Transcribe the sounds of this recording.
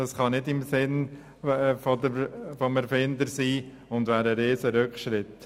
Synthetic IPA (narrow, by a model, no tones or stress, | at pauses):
d̥ɑsχɑnɪdɪmsɪn | fɔdəfɔmɛɾfɪnd̪əɾsiː | ʊndʋæːɾəɾeːsəɾʏkχʃɾɪt̪